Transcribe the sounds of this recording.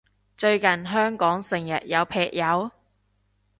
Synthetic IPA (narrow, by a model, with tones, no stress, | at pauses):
t͡ʃɵ˧ɥkɐ˨˩nɦœː˥ŋkɔː˨˥ŋsɪ˨˩ŋjɐ̰˨t̚jɐ˨˧wpʰɛː˨k̚jɐ˨˧w